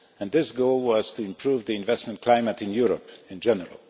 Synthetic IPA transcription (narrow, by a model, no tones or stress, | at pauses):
ɨ̃nðɪsɡoʊlˠwʌz̥tʰɨɨ̃mpʰɹ̥uvðiɨ̃ɱvɛstmə̃nkʰl̥ãɪ̃mətɨ̃njʊɹəpɨ̃nd͡ʒɛnə̰ɹə̰l̩ˠ